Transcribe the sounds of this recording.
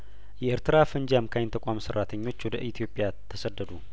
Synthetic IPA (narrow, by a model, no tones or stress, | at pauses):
jɛʔɪɾt̪ʰɨɾafənd͡ʒamkʰajnt̪ʰəkʷʼamsərːat̪ʰəɲːo̞t͡ʃːwɔd̪əʔit̪ʰijo̞pʼjat̪ʰːəsəd̪ːəd̪u